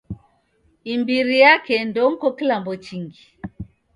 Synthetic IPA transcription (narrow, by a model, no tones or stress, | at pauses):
imbiɾijakɛndɔŋ̩kɔkilambɔt͡ʃiŋɡi